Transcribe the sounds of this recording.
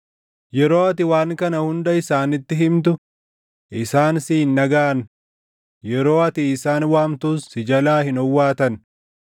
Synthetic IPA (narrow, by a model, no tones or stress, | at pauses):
jɛɾo̞ːɐt̪ɪwaːŋkɐnɐhʊnd̪ɐɪsaːnɪt̪ːɪɦɪmt̪̬ʊ | ʔɪsaːnsiːnːɐɡaːʔɐn | jɛɾo̞ːɐt̪ɪːsaːnwaːmt̪uːsːɪd͡ʒɐlaːhɪnɔwːaːt̪ɐn